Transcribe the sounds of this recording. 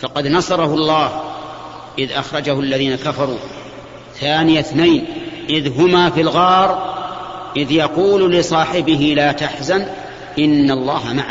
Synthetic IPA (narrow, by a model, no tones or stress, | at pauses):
fɑqɑd̪nɑsˤɑɾˤɑhʊlˤːɑːh | ʔɪðʔɑxɾˤɑd͡ʒahʊalːaðiːnakafɑɾˤuː | θaːnɪjaθnajnʔɪðɦʊmafilɣɑːɾˤ | ʔɪðjɑquːllɪsˤɑːħɪbɪɦɪlaːt̪aħzan | ʔɪnːalˤːɑːhamaʕ